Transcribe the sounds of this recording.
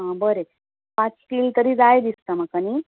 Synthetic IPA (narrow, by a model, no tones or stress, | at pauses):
ɦãbəɾe | pãt͡sʈiːlt̪əɾiːd͡zajd̪ist̪amakani